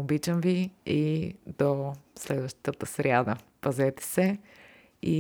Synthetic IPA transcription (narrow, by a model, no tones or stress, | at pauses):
obit͡ʃəmviid̪oslɛd̪vəʃt̪ət̪əsɾʲjad̪əpɐzɛt̪ɛ̥sɛ | i